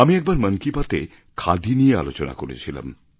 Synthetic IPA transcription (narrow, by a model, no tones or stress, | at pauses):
amiɛk̚baɾmənkipat̪e | kʰad̪inijea̰lot͡ɕona̰koɾḛt͡ɕʰila̰m